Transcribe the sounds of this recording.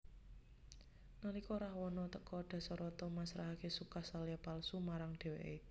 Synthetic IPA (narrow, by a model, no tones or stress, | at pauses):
nalikɔɾahwɔnɔt̪əkɔɖ̪̥ä̤sɔɾɔt̪ɔmasɾaɦakesukahsalijapalsumaɾaŋɖ̪̥e̤wḛʔe